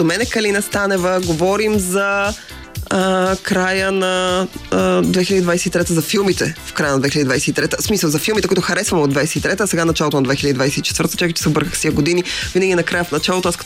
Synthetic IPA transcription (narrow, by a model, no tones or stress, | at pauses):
d̪omɛnɛkɐlinɐst̪anɛvəɡovɔɾimzɐ | kɾajənɐ | d̪vɛx̬iləd̪id̪vajsɛit̪ɾɛt̪əzɐfilˠmit̪ɛ̰fkɾajənɐd̪vɛxiləd̪id̪vajsɛit̪ɾɛt̪əsmisəlˠzɐfilˠmit̪ɛkuit̪ʊxɐɾɛsvɐmɛod̪vajsɛit̪ɾɛt̪əːsɛɡanɐt͡ʃalˠot̪onɐd̪vɛxilɛəd̪id̪vajsɛit͡ʃɛ̥t̪vəɾt̪ət͡ʃakət͡ʃɛ̥sɛobɤɾkəxsiəɡod̪inivinəɡʲinɐkɾajəfnɐt͡ʃalˠot̪oask